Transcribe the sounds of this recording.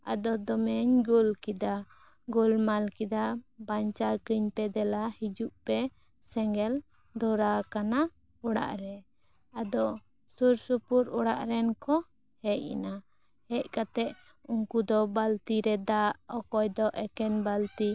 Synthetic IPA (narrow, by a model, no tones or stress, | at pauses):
a̰d̪ɔd̪ɔmɛɲɡulkid̪a | ɡulmalkid̪abaɲt͡ʃakiɲpɛd̪ɛlahid͡ʒuʔpɛ | sɛŋɡɛl | d̪ɔɾakana | uɽa̰ʔɾɛ | ad̪ɔ | suɾsupuɾuɽa̰ʔɾɛnkɔ | hɛʔḭna | hɛc̚kat̪ɛʔ | uŋkud̪ɔbalt̪iɾɛd̪aʔɔkɔjd̪ɔʔɛkɛnbalt̪i